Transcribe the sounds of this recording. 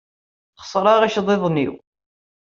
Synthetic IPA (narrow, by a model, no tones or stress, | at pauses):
qə̥sˤɾˤɑʁæʃðˤeðˤnḭw